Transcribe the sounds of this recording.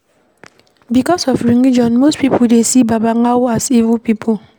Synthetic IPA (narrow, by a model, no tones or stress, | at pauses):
bikɔsɔfɾinid͡ʒɔnmospipʰodesibabaŋawʊasivupipʰo